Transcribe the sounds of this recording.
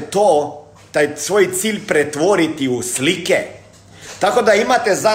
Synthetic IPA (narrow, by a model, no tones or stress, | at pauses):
t̪o | t̪ajsʋoːjt̪siːlʲpɾɛt̪ʋoːɾit̪iusliːkɛ | t̪akod̪aimat̪ɛza